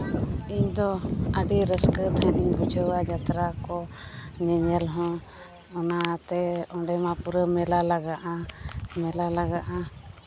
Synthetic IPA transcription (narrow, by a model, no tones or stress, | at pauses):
iɲd̪ɔəɖiɾəskət̪ʰəniɲbɔd͡ʒʰʱəwad͡ʒat̪ɾakɔɲəɲəlɦɔ̃ | ɔnat̪ɛɔɖɛmãpuɾəmɛlalaɡaʔamɛlalaɡaʔa